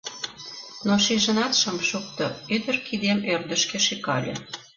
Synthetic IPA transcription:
noʃeʒə̆nɑt̪ʃə̆mʃuk̚t̪oød̪ə̆rkʰid̪emørd̪ə̆ʃkĕʃekɑ̰lʲḛ

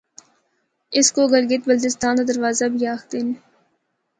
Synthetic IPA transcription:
ɪskoɡəɾɡɪt̪̚bəld̪ɪst̪aːnd̪ad̪əɾʋaːzabʱiːjaːxd̪ɪn

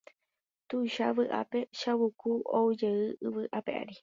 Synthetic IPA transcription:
t̪ujʃaʋɨʔa̰pe̞ʃawukuoud͡ʒeɨɨʋɨʔape̞ʔa̰ɾi

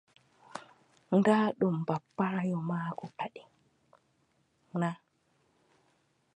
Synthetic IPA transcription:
ndaːɗumbapːajɔmaːkɔpaɗi | na

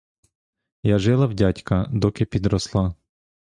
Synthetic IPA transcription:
jaʒɪlˠɐwdʲatʲkɐd̪ɔkɪpʲid̪ɾɔslˠɑ

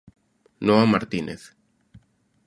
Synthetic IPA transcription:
noamaɾt̪inʔeθ

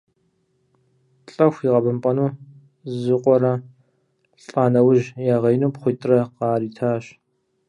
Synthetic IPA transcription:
ɬʼɐxʷiːʁɐbɨmpʼɐnuː | zɨqʷʼɔɾɐ | ɬʼaːnɐwʊʒjaːʁɐjnuːpχʷʊjtʼrɐqɑːɾiːtʰaːɕ

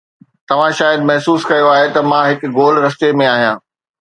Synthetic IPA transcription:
t̪ɐʋ̤ãʃaːjəd̪mɐɦsuːskɐjoaːɦet̪ɐmãɦɪkɡoːlɾɐst̪emẽaːɦijãː

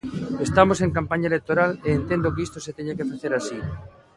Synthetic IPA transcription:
est̪amoseŋkampaɲaelek̚t̪oɾaleːnt̪end̪okeist̪oset̪eɲakefaθeɾasi

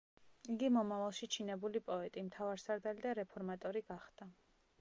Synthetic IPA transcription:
iɡimɔmavalˠʃit͡ʃʰinɛbulipʼɔɛt̪ʼimt̪ʰavaɾsaɾd̪alid̪aɾɛpʰɔɾmat̪ʼɔɾiɡaχd̪̥a

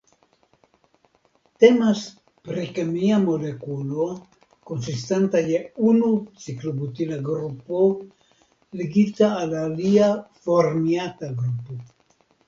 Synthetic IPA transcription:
t̪emas | pɾikemiamo̞lekulo | konsist̪ant̪ajeunut͡siklobut̪ilaɡɾupo | leɡit̪aːlaliafoɾmiat̪aɡɾupo

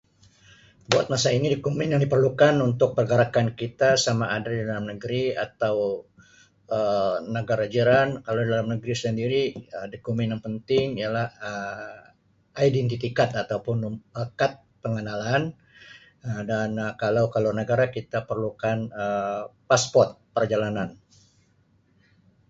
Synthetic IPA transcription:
buat̪̚masainidikumɛnjaŋdipərlukanunt̪ʊk̚pərɡəɾakankit̪asamaʔːdadidalamnəɡɾia̰t̪aw | ənəɡaɾad͡ʒiɾankalawdidalamnəɡɾisəndiɾiədikumɛnjaŋpənt̪ɪŋijalahə | ʔaidɛnt̪ifikat̪at̪awpʊnəmakat̪̚pəŋənalan | ədanəkalawkalanəɡaɾakit̪apərlukanəpaspɔrt̪̚pərd͡ʒalanan

